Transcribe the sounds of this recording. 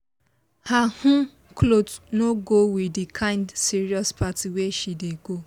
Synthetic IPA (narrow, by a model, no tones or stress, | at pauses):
hahʊ̃ | klodnoɡowidikʰãɪ̃ndsiɾiɔspʰatiweʃideɡo